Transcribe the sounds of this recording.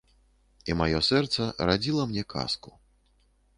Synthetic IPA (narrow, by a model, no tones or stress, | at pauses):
imajɔsɛrt̪sɐɾad͡zʲilˠɐmnʲɛka̰sku̥